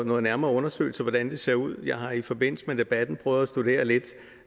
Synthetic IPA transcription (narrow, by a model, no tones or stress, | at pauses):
nɔ̽ːð̩ˠnæɐmɐːɔ̽nɐsø̰ːl̩sɒʋɒd̥ænd̥e̝se̝ɐ̰uð̞̰ˠjɑ̈ɪhɑ̈ifɒ̽b̥e̝n̰l̩səmed̥e̝b̥æd̥n̩pʰʁœːʊð̞̩ˠæsd̥ud̥e̝̰ːɐle̝d̥